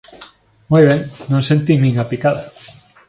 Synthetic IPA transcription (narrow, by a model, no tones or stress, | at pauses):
mujβ̞eŋnõnsẽnt̪iŋnĩŋapikaða